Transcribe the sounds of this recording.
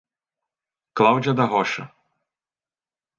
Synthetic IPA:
klˠawd͡ʒʲɐd̪ɐɦɔʃɐ̰

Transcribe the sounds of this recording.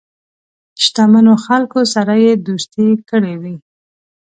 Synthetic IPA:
ʃt̪amanoxalkosaɾajed̪ust̪ekəɽewi

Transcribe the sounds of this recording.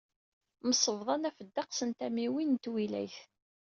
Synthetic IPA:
məsˤəvðˤɑnæfəd̪ːɑqsənt̪æmiwint̪wilæ̰jθ

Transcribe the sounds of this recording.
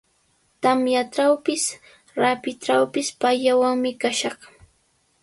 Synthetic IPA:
t̪amjaʈ͡ʂawpɪs | ɾapɪʈ͡ʂawpɪspajawaŋmɪkaʃɑχ

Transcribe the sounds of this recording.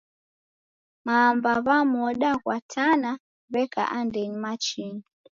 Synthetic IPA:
mambaβamɔɗakwatʰana | βɛka̰ʔandɛɲimat͡ʃiɲi

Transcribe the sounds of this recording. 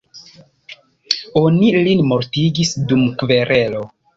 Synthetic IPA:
onilinmo̞ɾtiɡisdumkve̞ɾʔe̞lo̞

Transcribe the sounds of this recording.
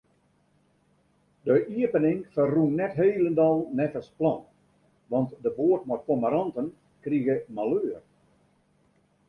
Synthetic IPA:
dəʔiəpənɪŋfərrunnɛtɦeːləndɔlˠnɛfəsplɑn | ʋɑntdəboːətmɔtkomaɾɑntən | kriɣəmaløːr

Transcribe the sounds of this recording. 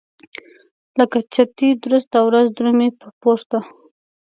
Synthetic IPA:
ləkat͡ʃat̪id̪ɾʊst̪awɾazd̪ɾumepəpoɾt̪a

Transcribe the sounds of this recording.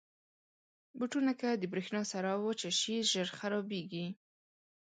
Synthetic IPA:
buʈunakad̪əbɾexnɑsaɾɑwot͡ʃeʃiʒəɾxaɾɑbeɡi

